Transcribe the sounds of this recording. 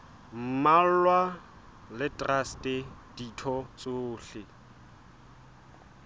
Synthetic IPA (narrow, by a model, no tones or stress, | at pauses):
m̩mal̩lwa | lɪtʼrastʼɪd̥itʰɔt͡sʼʊːɬɪ